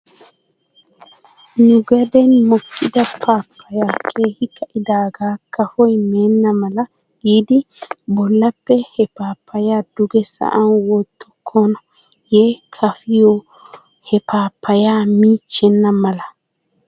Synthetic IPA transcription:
nʊɡɐd̪ɛnmɔkːɪd̪ɐpʰːaːpʰːɐjaːkʰeːhɪkːɐʔɪd̪aːɡaːkːɐfɔjmeːnːɐmɐlɐ | ɡiːd̪ɪ | bɔlːɐpːɛhɛpaːpːɐjaːd̪ʊɡɛsɐ̰ʔɐnwɔt̪ːʊkʰːɔnɐ | jeːkʰɐfɪjɔ | hɛpaːpʰːɐjaːmiːt͡ʃːɛnːɐmɐlɐ

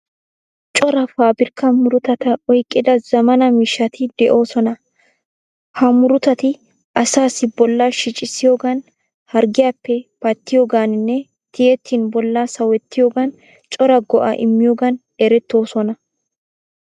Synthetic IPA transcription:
t͡ʃʼɔɾɐfaːbɪɾkɐmʊɾʊt̪ɐt̪ɐɔjkʼːɪd̪ɐzɐmɐnɐmɪʃːɐt̪ɪd̪ɛʔo̞ːsɔnɐ | hɐmʊɾʊt̪ɐt̪ɪ | ʔɐsaːsɪbɔlːaʃɪt͡ʃʼɪsɪjoːɡɐn | hɐɾɡɪjaːpːɛpɐt̪ːɪjoːɡaːnɪnːɛ | t̪ʰɪjɛt̪ʰːiːnbɔlːaːsɐwɛt̪ːɪjoːɡɐn | t͡ʃʼɔɾɐɡɔʔa̰ːʔɪmːɪjoːɡɐn | ɛɾɛt̪ːo̞ːsɔnɐ

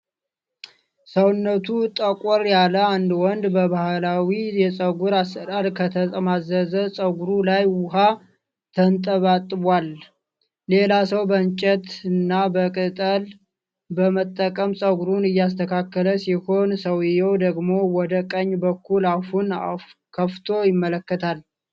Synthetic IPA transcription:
səwnːət̪ʰut̪ʼəkʼɔɾjaləand̪wɔnd̪bəβahlawijɛsʼəɡuɾast̪əɾʼaɾkʰət̪ʰəsʼəmazəzəsʼəɡʷuɾulajwʊɦa | t̪ʰənt̪ʼəβat̪ʼːɨbwalː | e̞lasəwbənt͡ʃʼɛt̪ɨnːabəkʼɨt̪ʼəl | bəmət̪ʼːəkʼəmsʼəɡuɾunɨjːas̬t̪ʰəkʰakːələsiho̞nsəwɪjɛwd̪əɡmo̞wɔd̪əkʼəɲːbəkʰːulafuna | kʰəft̪ʰo̞jɪmːələkːət̪ʰal

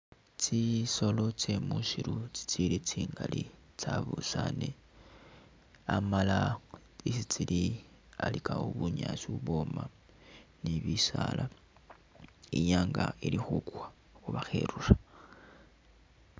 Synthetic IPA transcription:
t͡siso̞lo̞t͡se̞muʃiɾut͡si̥t͡silit͡siːŋɡali | t͡saβusane | amala | isit͡sili | alikaoβuɲaʃiuβo̞ma | niβisalʔa | iɲaːŋɡailixukwa | xuβaxeɾura

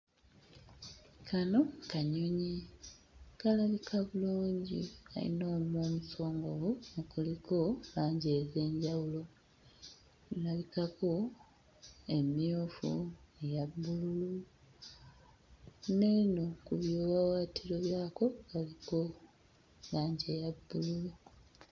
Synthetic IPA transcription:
kanokaɲoɲi | kalaβikʰaβuluːɲɟḭa̰ḭno̞ːmoːmuso̞ːŋɡoβuokuliko̞βaːɲɟe̞ze̞ːɲɟawulo̞ | ilaβikako̞ | emiufṵejabːululu | neino̞kuβjoːβawaːtʰiɾo̞βjaːko̞kaliko̞ | laːɲɟe̞jabːululu

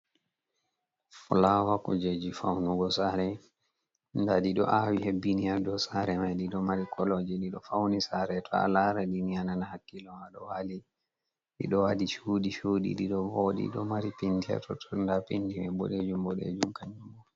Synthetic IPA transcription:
fulawakɔd͡ʒed͡ʒifawnuɡɔsaɾɛ | ndaɗiɗɔ̰ʔawihebiniadɔsaɾɛmajɗiɗɔmaɾikʰɔlod͡ʒiɗiɗɔfawnisaɾɛtʰɔa̰laɾadiniananahakːilɔmaɗɔwali | ɗḭɗɔwadit͡ʃuɗiʃuɗḭɗiɗɔboɗḭɗɔmaɾipindiɛ̰tɔtʰɔndapindimɛbɔ̰ɗed͡ʒumbɔɗḛd͡ʒumkaɲd͡ʒumɔ

